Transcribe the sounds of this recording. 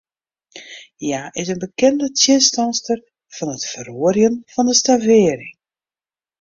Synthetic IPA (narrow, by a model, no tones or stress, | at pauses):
jaːʔɪsənbəkɛndətʰjɪnstɑnstər | v̥ɔnətfəɾuərjənfɔndəstavɪːɾɪŋ